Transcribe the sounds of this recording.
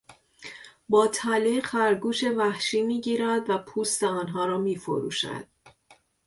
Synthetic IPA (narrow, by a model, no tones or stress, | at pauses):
bɒːt̪ʰæliːɢhæɾɡuːʃe̞væhʃiːmiːɟiːɾæd̪væpʰuːst̪eɒːnɦɒːɾɒːmiːfo̰ɾṵːʃæ̰d̪̥̚